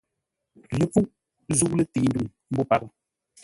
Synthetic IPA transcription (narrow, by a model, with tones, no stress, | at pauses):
lə˨pu˦ʔ | zu˦ʔlə˦ti˨˦ndu˦˨ŋm̩˦bu˦˨pa˨ə˦˨